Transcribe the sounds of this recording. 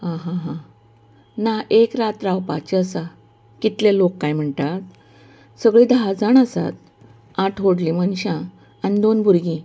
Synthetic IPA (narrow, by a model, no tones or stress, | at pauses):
ɦãɦãɦã | naekɾat̪ɾawpa̰t͡ɕəsa | kit̪lelokːajm̤əɳt̪at̪̚ | səɡɭiːd̪aɦd͡zaɳəsa̰t̪̚ | aʈʰɦoɽlimənɕã | anid̪onbuɾɡĩ